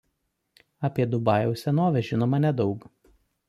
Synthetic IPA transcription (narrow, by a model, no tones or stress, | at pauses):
ɐpʲiɛd̪ʊbɑˑjɛʊsʲɛnoːʋʲɛʒʲɪnoːmɐnʲɛd̪ɒʊk